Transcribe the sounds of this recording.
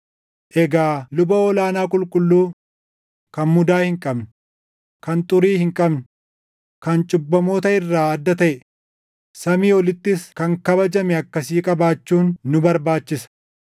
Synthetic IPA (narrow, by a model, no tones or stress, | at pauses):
ʔɛɡaːlʊbɐɔlaːnaːkʼʊlkʼʊlːuː | kɐnmʊd̪aːhɪŋkʼɐbnʊ | kɐnt̪ʼʊɾiːhɪŋkʼɐbnʊ | kɐnt͡ʃʼʊbːɐmoːt̪ɐɪrːaːɐd̪ːɐt̪ɐʔɛ | sɐmiːɔlɪt̪ːɪskɐŋkɐbɐd͡ʒɐmɛɐkːɐsiːkʼɐbaːt͡ʃːuːnːʊbɐɾbaːt͡ʃːɪsɐ̥